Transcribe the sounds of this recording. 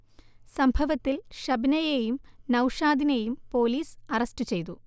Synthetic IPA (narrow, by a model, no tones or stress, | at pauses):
sɐmbʱɐʋɐt̪ːilʂɐbnɐjejumnɐwʂaːd̪inejumpo̞ːliːsɐrɐstɨt͡ɕe̞jt̪u